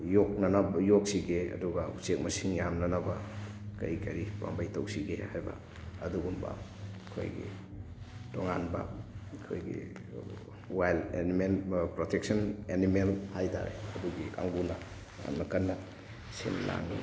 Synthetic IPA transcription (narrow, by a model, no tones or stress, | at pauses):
jok̚nɐnabjok̚siɡeɐ̰duɡausek̚mɐsiŋjamnɐnabɐkɐ̰jkɐɾipa̰ŋbɐjtɐwsiɡehajbɐ̰ | ɐduɡumbɐ̰kʰo̰jɡḭ | toŋanbɐ̰kʰo̰jɡḭ | wajlenimenpɾotʰek̚sɐnenimelhajta̰ɾḛɐduɡika̰ŋɡunɐ | a̰nmɐkɐnːɐ | sḛnla̰ŋi